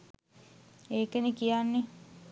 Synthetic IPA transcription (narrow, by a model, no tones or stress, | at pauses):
eːkenekijanːe